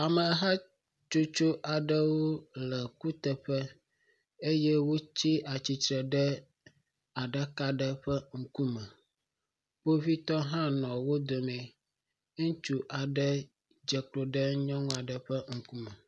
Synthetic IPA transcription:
a˨mə˨ɦa˦ | t͡ʃo˦t͡ʃo˦ʔa˨ɖə˦wo˦lə˨ku˦t̪ə˨ɸə˦ | e˦jɛ˦wo˦t͡ɕi˦ʔa˨t͡ɕi˨tɾə˨ɖə˦ | a˨ɖə˦ka˦ɖə˦ɸə˦ŋ̩˦ku˦mə˨ | ɸo˦vi˦t̪ɔ˦ɦã˦nɔ̃˨wo˦d̪o˨mɛ̃˨ | ŋũ˦t͡ʃu˦ʔa˨ɖə˦ | d͡ʒə˨klo˨ɖə˦ɲɔ̃˦ŋũ˦a˨ɖə˨ɸə˦ŋ̩˨ku˦mə˨

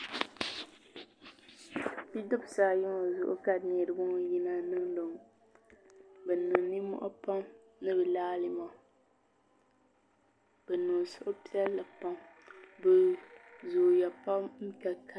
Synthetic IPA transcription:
bi˦dɔ˦bsaː˦jʊ˦ŋ˨zʊ̰˦ʔʊ̰˦ka˦˨nɛ˨ɾɨ˨bʊ˦ŋ˦ji˦na˦nɨ˦ŋlo˨ŋ | bɛ˨nɨ˨ŋ˨ni˦mɔ̰˦ʔa˦pa˦m | nɨ˦bɨ˨laː˦li˦ma˨ | bɛ˨nu˨sʊ˦ʔʊ˦pi˦ɛ˦lla˨pa˦ŋ | bɨ˨zuː˨ja˨pa˦mm̩˦ka˨ka˨

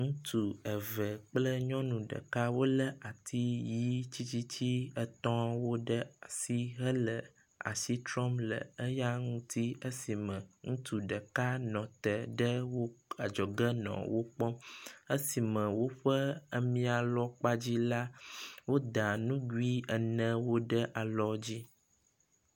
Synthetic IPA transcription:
ŋũ˦t̪u˨ə˨və˨k͡plə˦ɲɔ̃˦nũ˨ɖə̰˨ka˦wo˦lə˦ʔa˨t̪ʰi˦ji˦t͡ɕi˦t͡ɕi˦t͡ɕi˦ə˦t̪ɔ̃˦wo˦ɖə˦a˨si˦ɦə˦lə˨ | a̰˨si˦t̪ɾɔ˦mlə̰˨ə˦ja˦ŋũ˦t̪ʰi˦ə˦si˨mə̃˨ŋũ˦t̪u˨ɖə˨ka˦nɔ̃˨t̪ə˨ɖə˦wo˦a˨d͡ʒɔ˨ɡə˦nɔ̰̃˨wo˦k͡pɔ˦ə˦si˨mə̃˨wo˦ɸə˦ə˦mĩ˦a˨lɔ˦k͡pa˦d͡ʑi˦la˦wo˦d̪a˨nũ˦ɡu˦i˦ə˨nə̃˦wo˦ɖə˦ʔa˨lɔ˦d͡ʑi˦

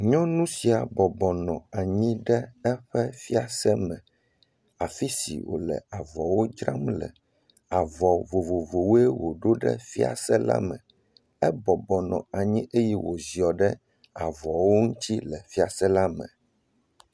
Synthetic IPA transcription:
ɲɔ̃˦nũ˦si˨a˨bɔ˨bɔ˨nɔ̃˨a˨ɲĩ˦ɖɛ˦ɛ˦ɸɛ˦fi˦a˨sɛ˦mɛ̃˨ | a˨fi˦sḭ˨wo̰˨lɛ̰˨a˨vɔ˨wo˦d͡ʒɾa˦mlɛ̰˨ | a˨vɔ˨vo˨vo˨vo˨wo˦ɛ˦wo˨ɖo˦ɖɛ̰˦fi˦a̰˨sɛ˦la̰˦mɛ̃˨ | ɛ˦bɔ˨bɔ˨nɔ̰̃˨a˨ɲĩ˦ʔe˦jɛ˦wo˨zi˨ɔ˨ɖɛ˦ | a˨vɔ˨wo˦ŋũ˦t̪ʰi˦lɛ˨fi˦a˨sɛ˦la˦mɛ̰̃˨

